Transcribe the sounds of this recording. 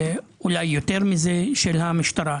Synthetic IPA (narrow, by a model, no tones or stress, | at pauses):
ulajːot̪eɾmizeʃelhamiʃt̪aɾa